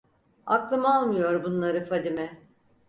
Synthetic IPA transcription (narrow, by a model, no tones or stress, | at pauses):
a̰klˠɯmalˠmɯjo̞ɾbunlˠaɾɯfad̪imɛ